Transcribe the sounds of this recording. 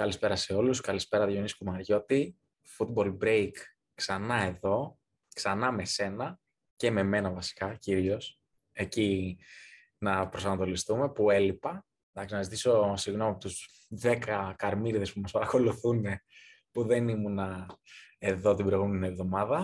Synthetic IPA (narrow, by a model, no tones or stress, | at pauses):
kɐlispe̞ɾɐse̞o̞luskɐlispe̞ɾɐʝoniskumɐɾʝo̞t̪i | fut̪̚bo̞lbɾejk | ksɐnɐe̞ðo̞ | ksɐnɐme̞se̞nɐ | ce̞me̞me̞nɐvɐsi̥kɐciɾio̞s | e̞ci | nɐpɾosɐnɐt̪o̞list̪ume̞pue̞lipɐ | dɐksinɐzit̪iso̞siɣno̞miɐpot̪uz | ðe̞kɐkɐɾmiɾðe̞spumɐspɐɾɐko̞luθune̞ | puðe̞nimunɐ | e̞ðo̞t̪ibɾoɣumenievðo̞mɐðɐ